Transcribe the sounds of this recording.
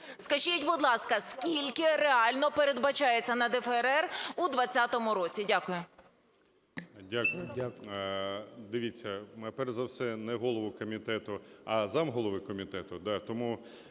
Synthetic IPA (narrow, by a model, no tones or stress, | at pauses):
skɐʒitʲbʊd̪lˠɑskɐskʲilʲkɪreɑlʲnɔpeɾe̞d̪bɐt͡ʃɑjet͡sʲːɐnɐd̪ɛfeeɾɛrud̪ʋɐt͡sʲːat̪ɔmʊɾɔt͡sʲidʲakʊjʊ | dʲakʊj | d̪ɪʋʲit͡sʲːɐmɛpɛrzɐwsɛnɛɦɔlˠɔʋʊkɔmʲit̪ɛt̪ʊɐzɑmɦɔlˠɔʋɪkɔmʲit̪ɛt̪ʊd̪ɑt̪ɔmu